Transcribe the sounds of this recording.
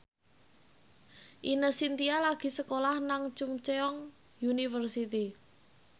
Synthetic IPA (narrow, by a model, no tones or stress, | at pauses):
ʔinəhsint̪ialaɡ̥i̤səkolahnaŋt͡ʃʊŋt͡ʃeɔŋ | junifərsit̪i